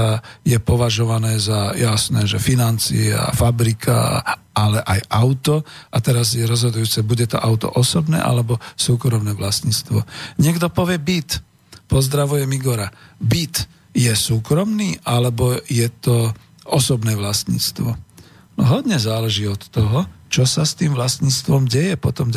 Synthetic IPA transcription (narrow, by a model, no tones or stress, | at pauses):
ajɛpɔʋaʒɔʋanɛːzajasnɛːʒɛfinant͡sḭɛa̰fabɾikʰaa̰ | alɛʔajaʊt̪ɔʔat̪ɛɾazjɛɾɔzɦɔd̪ujuːt͡sɛbuɟɛt̪ɔ̰ʔaʊt̪ɔ̰ʔɔsɔbnɛ̰ːʔa̰lɛbɔsuːkɾɔmnɛːʋlast̪ɲiːt͡st̪ʋɔɲɪɛɡd̪ɔpɔʋɪɛbit̪ | pɔzd̪ɾaʋujɛmiɡɔɾabit̪ | jɛsuːkɾɔmniːʔalɛbɔjɛt̪ɔ | ɔsɔbnɛːʋlasɲḭːt͡st̪ʋɔ | nɔɦɔd̪ɲɛzaːlɛʒiːɔt̪ːɔɦɔt͡ʃɔsast̪iːmʋlasɲiːt͡st̪ʋɔmɟɛjɛpɔt̪ɔm